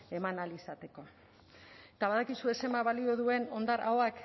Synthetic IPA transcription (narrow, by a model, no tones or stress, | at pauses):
e̞manalisat̪e̞ko̞ | et̪aβaðakisue̞se̞mbaβalio̞ðue̞no̞nd̪aɾa̰wak